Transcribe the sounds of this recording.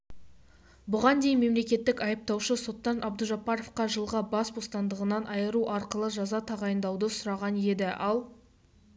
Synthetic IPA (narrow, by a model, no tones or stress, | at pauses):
bʊʁɑnd̪e̞jnme̞mle̞kʲe̞t̪ːɪkɑjəp̚t̪ɑwʃəso̞t̪ːɑnʔɑb̚d̪əʒɑpɑɾo̞fqɑʒəlˠʁɑbɑsbo̞st̪ɑnd̪əʁənɑnʔɑjəɾuʔɑɾqəlˠəʒɑzɑt̪ʰɑʁɑjənd̪ɑwd̪əsʊɾɑʁɑne̞d̪ɪʔɑlˠ